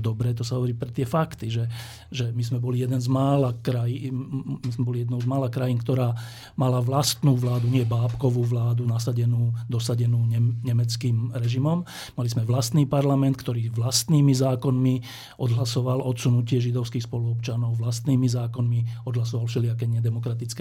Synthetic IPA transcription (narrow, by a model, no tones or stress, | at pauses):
d̪ɔbɾɛːt̪ɔsaɦɔʋɔɾiːpɾɛt̪ɪɛfakt̪iʒɛ | ʒɛmizmɛbɔlijɛd̪ɛnzmaːlakɾajinmizmɛbɔlijɛd̪nɔʊzmaːlakɾajiːnkt̪ɔɾaː | malaʋlast̪nuːʋlaːd̪uɲɪɛbaːpkɔʋuːʋlaːd̪unasaɟɛnuːd̪ɔsaɟɛnuːɲɛɲɛmɛt͡skiːmɾɛʒimɔm | malizmɛʋlast̪niːpaɾlamɛnt̪̚kt̪ɔɾiːʋlast̪niːmizaːkɔnmi | ʔɔd̪ɦlasɔʋalʔɔt̪sunucɪɛʒid̪ɔʊskiːxspɔluɔpt͡ʃanɔʊʋlast̪niːmizaːkɔnmiɔd̪ɦlasɔʋalfʃɛliak̬ɛɲɪɛd̪ɛmɔkɾat̪it͡skɛ